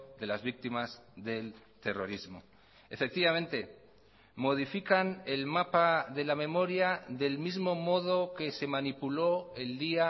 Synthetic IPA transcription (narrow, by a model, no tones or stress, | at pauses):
ðe̞lazβik̚t̪imazðe̞l | t̪e̞ro̞ɾizmo̰ | efe̞k̚t̪iβamẽ̞nt̪e | mo̞ð̞ifikane̞lmapaðe̞lamẽ̞mo̞ɾjaðe̞lmizmo̞mo̞ð̞o̞ke̞se̞manipulo̞e̞ld̪ia